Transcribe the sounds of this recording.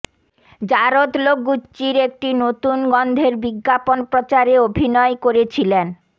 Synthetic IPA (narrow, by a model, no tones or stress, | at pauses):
d͡ʑaɾot̪lok̚ɡutːɕiɾek̚ʈinot̪unɡɔnd̪ʱeɾbiɡːaponpɾot͡ɕaɾeobʱinɔekoɾet͡ɕʰilen